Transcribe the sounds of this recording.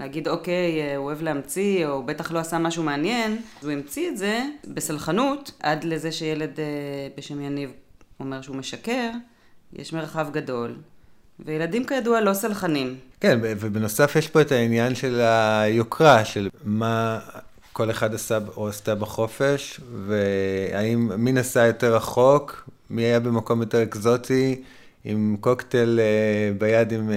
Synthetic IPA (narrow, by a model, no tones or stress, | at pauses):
leaɡidoke̞joevleamt͡siobe̞taχlo̞asamaʃumeanje̞nuimt͡sietze̞be̞salχanutʔadle̞zeʃejele̞debeʃe̞mjanivo̞me̞ʁʃeumeʃake̞ʁ | jʔḛʃmeʁχavɡado̞l | vejeladimkajadualo̞salχanimkenbevebeno̞safjeʃpo̞etainjanʃe̞lajokʁaʃelma | ko̞leχadasaoast̪abaχo̞fe̞ʃveaimːinasajo̞te̞ʁaχo̞k | miajabe̞mako̞mjo̞teʁekzo̞t̪ʰi | imko̞ktelebajadim